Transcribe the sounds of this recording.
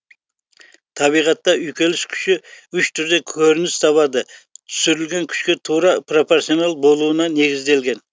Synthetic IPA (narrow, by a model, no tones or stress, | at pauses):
t̪ʰɑβijʁɑt̪ːɑʔʏjkʲe̞lɪskʲʰʏ̥ʃɪʏʃt̪ʰʏɾd̪e̞kʲʰɵɾɪnɪst̪ʰɑβɑd̪ət̪ʰʏ̥sʏɾɪlɡʲe̞ŋkʲʰʏ̥ʃkʲe̞t̪ʰuɾɑpro̞po̞ɾsijonɑlˠbo̞lˠuənɑne̞ɡʲɪzd̪e̞lɡʲe̞n